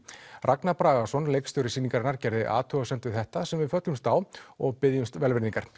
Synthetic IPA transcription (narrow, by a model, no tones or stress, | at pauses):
rʔaknapɾaːɣasɔnlejkst̪ʏɾɪsiːniŋkaɾnaɾcɛɾðɪʔa̰ːt̪ʰœɣasɛnt̪ʏθɛht̪asɛmvɪðfœt̪lʏmst̪aːwɔɣpɪðjʏmst̪vɛlvɪɾniŋkaɾ̥